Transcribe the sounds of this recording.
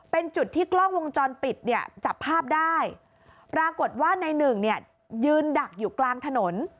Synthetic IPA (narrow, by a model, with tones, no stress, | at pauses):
pe˧nt͡ɕu˨˩t̪ʰːiː˥˩klɔ˥˩ŋwo˧ŋt͡ɕɔː˧npi˨˩t̪̚ni˥˩ɐt͡ɕa˨˩pʰːaː˥˩p̚daː˥˩j | pɾaː˧ko˨˩t̪̚waː˥˩na˧jnɯ˨˩ŋni˥˩ɐ | jɯː˧nda˨˩k̚juː˨˩klaː˧mt̪ʰa˧no˩˦n